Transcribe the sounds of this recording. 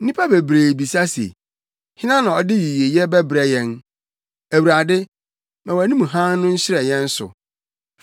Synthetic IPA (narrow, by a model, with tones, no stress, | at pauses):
n̩˦nĩ˦pʰa˦be˨bɾeː˨bi˨sa˦sḛ˨ | hɪ˦nã˦nã˨ɔ˨dɪ˦ɥi˨ɥi˨e˨jɛ˦bɛ˦bɾɛ˦jɛ̃˦n | æ˨wu˨ɾa˨dɪ˦ | mɛ̃˨wæ˨nĩ˦mũ˨ɦã˦nːʊ̃˦n̩˦ɕɪ˦ɾɛ˨jɛ̃˦n̩˦sʊ̰˨